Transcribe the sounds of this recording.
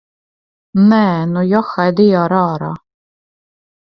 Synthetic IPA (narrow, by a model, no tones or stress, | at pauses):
nɛːnujɔxajd̪ijaːɾɑːɾa̰ː